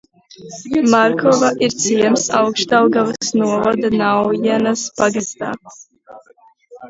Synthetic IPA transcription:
maɾkʰɔvaʔiɾt̪sʰiɛmsawkʃt̪awɡavsnuɔvad̪anawjinasbaɡist̪a̰ː

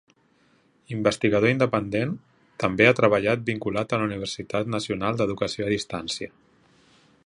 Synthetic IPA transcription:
imbəst̪iɣəð̞oind̪əpənd̪en | t̪əmbeat̪ɾəβəʎat̪̚biŋkulat̪ələuniβ̞ərsit̪at̪nəsiunalˠd̪əðukəsioəðist̪ansiə

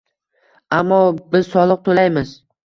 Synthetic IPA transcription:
amːɒbɪz̥sɒlˠɨq̚t̪ʰolajmɪz

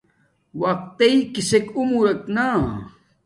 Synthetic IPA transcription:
waq̚t̪eikisekumuɾɐkna

